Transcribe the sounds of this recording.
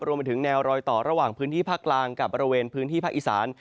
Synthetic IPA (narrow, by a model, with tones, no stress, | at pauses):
ɾu˧mpa˧jt̪ʰɯ˩˦ŋnɛː˧wɾɔː˧jt̪ɔː˨˩ɾa˧waː˨˩ŋpʰɯː˦˥nt̪ʰiː˥˩pʰaː˥˩k̚klaː˧ŋka˨˩p̚bɔː˧ɾi˧weː˧npʰɯː˦˥nt̪iː˥˩a˦˥k̚ʔi˨˩sa̰ː˩˦n